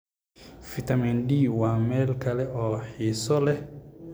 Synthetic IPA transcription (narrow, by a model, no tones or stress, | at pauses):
fit̪ʰɐminɖiːwaːmɛːlkʰɐlɛʔɔːħiːsɔlɛ